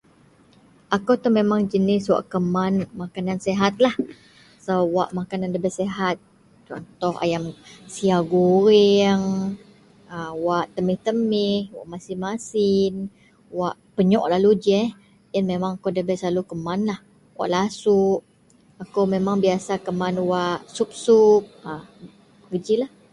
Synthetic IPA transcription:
ʔakot̪ʊhmemaŋd͡ʒənɪswa̰ʔkəmanmakananseɦat̪̚lah | səwa̰ʔmakanandəbɛseɦat̪̚ | t͡ʃɔ̰nt̪ɔha̰jamsiaɡuɾɛŋ | əwaʔt̪əmɪht̪əmɪhwa̰ʔmasɪnmasɪn | waʔpəɲɔʔlalud͡ʒɛh | janmemaŋakodəbɛslalukəmanlah | wa̰ʔlasuʔ | akowmemaŋbiasakəmanwaʔsup̚sup̚ə | ɡəd͡ʒilah

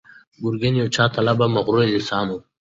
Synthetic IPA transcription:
ɡuɾɡenjot͡ɕʰaːt̪ʰɐlɐbɐmɐɣɾuelisaːnu

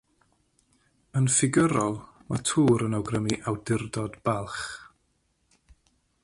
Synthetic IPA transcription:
ənfɪɡəɾɔlˠmatʰuːɾənawɡrəmiʔawdɪrdɔdb̥alˠχ

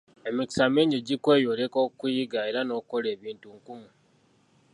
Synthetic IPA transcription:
e̞miki̥sameɲiɟikwe̞ːjo̞ɾekoːkkujiɡaeɾano̞ːkuko̞le̞ːβiːntuŋkumu

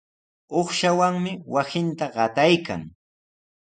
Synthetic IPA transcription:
oχʃawaŋmɪwasɪnt̪aɢɑt̪ajka̰ŋ

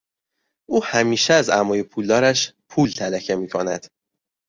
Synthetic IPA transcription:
ʔuːhæmiːʃɛæzæmɒːjepʰuːld̪ɒːɾæʃpʰuːlt̪ʰælæcʰe̞miːkʰonæd̪̥

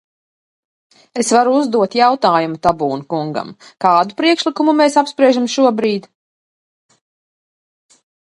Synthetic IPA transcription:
esvaɾuuzd̪uɔt̪jawt̪aːjumut̪abuːnukuŋɡa̰mkaːd̪upɾiɛkʃlikumumeːsapspɾiɛʒamʃuɔbɾiːd̪

